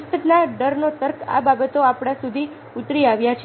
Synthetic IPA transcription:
ət̪naɖəɾnot̪əɾkʰa̰babət̪oapɽ̃ãsud̪ʱi | ut̪ɾiaʋjat͡ʃʰ

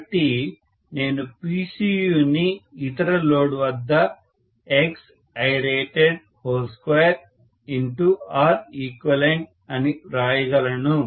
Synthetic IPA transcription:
ʈːi | ne̞ːnupiːsijuːniːt̪ɐɾɐloːɽuʋɐd̪ːɐ | eks | ɐjɾeːʈeɖ | hoːlskʋɐjɐɾ | iɳʈuaːɾiːkʋɐleɳʈ̚ | ɐniɾaːjɐɡɐlɐnu

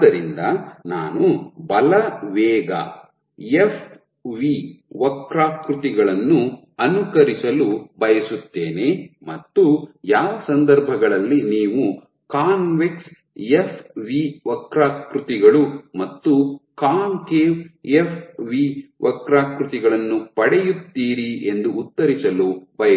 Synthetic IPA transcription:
d̪ɐɾind̪ɐna̰ːnubɐlɐʋɛːɡɐ̰ | jepʰ | ʋiʋɐkɾaːkɾut̪iɡɐɭɐnːu | ɐnukɐɾisɐlubʱɐjɐsut̪ːe̞ːnemɐt̪ːujaːʋɐsɐnd̪ɐɾbʱɐɡɐɭɐlːiniːʋu | kaːnʋeks | jepʰʋiʋɐkɾaːkɾut̪iɡɐɭumɐt̪ːukaːnkeːepʰʋiːʋɐkɾaːkɾut̪iɡɐɭɐnːupɐɽɛjut̪ːiːɾie̞nd̪uːt̪ːɐɾisɐlubʱɐjɐ

